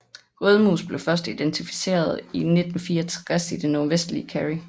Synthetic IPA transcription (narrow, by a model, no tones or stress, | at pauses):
ʁœð̞ˠmṵsb̥le̝fɶɐsd̥id̥ent͡sʰifi̥se̝̰ːɐð̞ˠine̝d̥n̩fiːɐt͡sʰʁasid̥enːɔɐʋesd̥liəkʰæʁi